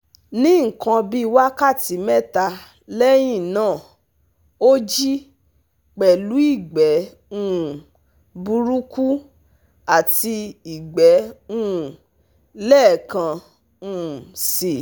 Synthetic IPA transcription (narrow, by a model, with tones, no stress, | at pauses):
nĩ˦ŋ̩˨kã˧bi˦˧wa˦ka˦˨ti˨˦mɛ˦˨ta˧ | lɛ˦j̃ĩ˦˨nãː˦˨ | o˦d͡ʒi˦ | k͡pɛ˨lu˨˦i˦˨ɡ͡bɛ˨˦ | ũ˦˨ | bu˧ɾu˦ku˦ | a˦˨ti˧i˨ɡ͡bɛ˨˦ũ˦˨ | lɛ˦˨kã˧ | ũ˦˧˨si˨